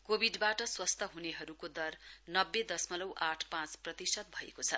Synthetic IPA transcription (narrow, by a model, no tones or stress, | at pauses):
kobʱiɖbaʈʌswʌst̪ʰʌɦuneɦʌɾukod̪ʌrnʌbːed̪ʌsmʌlʌwʔaʈʰpãt͡sprʌt̪isʌt̪̚bʱʌḛkot͡sʰʌ